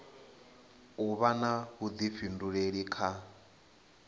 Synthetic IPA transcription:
uβanaɦud̪ifinduɺeɺikʰa

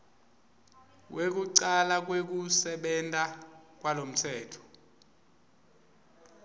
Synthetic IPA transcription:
wʔek̬uǀalak̬wek̬usɛɓɛntʼak̬walom̩tʰɛːtʰɔ̥

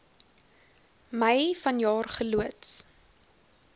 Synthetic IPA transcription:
məjfɐnjɑːrχəluəts

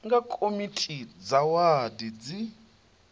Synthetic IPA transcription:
ŋɡakʼomitʼid͡zawadid͡zi

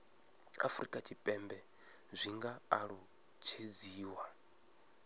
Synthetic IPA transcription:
a̰fuɾikʼatʰʼipʼɛmbɛ | zʷiŋɡaːɺu | t͡ʃʰed͡ziːwa

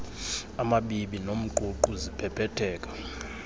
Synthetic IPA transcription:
amaɓiɓinom̩ǃuǃuzipʰɛpʰɛtʰɛːkʼḁ

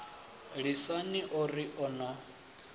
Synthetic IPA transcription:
ɺisaniʔɔɾiʔɔna

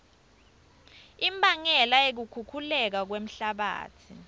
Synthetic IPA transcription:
imbʱaŋɛlaek̬ukʰukʰulɛk̬ak̬wem̩ɬaɓa̰ːtʰi

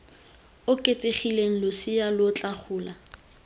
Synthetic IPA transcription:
ʊkʼet͡sʼeχileŋ̩lʊsɪjalʊt͡ɬʼaχʰʊːla

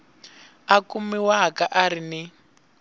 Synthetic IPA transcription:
akumiwaɦakaʔaɾini

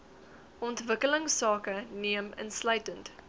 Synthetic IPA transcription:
ʔɔntvəkələŋsɑːkəniəmə̰nsləɥtənt

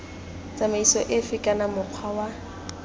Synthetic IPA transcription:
t͡sʼamaisɔʔɪfɪkʼanamʊq͡χʰwawa

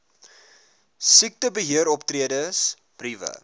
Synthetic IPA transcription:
sik̚təbəɦiəɾɔptriədəs | b̥rivə̰

